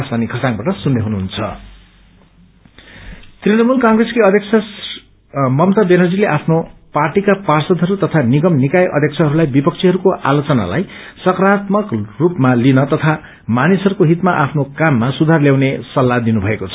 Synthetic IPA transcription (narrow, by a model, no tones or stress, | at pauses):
sanikʰʌsaŋbaʈʌsunːeɦunuɦunt͡sʰʌ̰ | t̪rinʌmulkaŋɡreskeʌd̪ʱjʌkt͡sʰʌ | mʌmt̪ʌbenʌd͡zileʔapʰnoparʈikaparsʌd̪ʱʌɾut̪ʌt̪ʰaniɡʌmnikajʔʌ̰d̪ʱjʌk̚t͡sʰʌɦʌɾulajbipʌk̚t͡sʰiɦʌɾukoʔa̰lot͡sʌna̰la̰j | sʌkrat̪mʌkrupmalinʌt̪ʌt̪ʰa | manisɦʌɾukoɦit̪maʔapʰnokamːasud̪ʱarljawnesʌlːad̪inubʱʌekot͡sʰʌ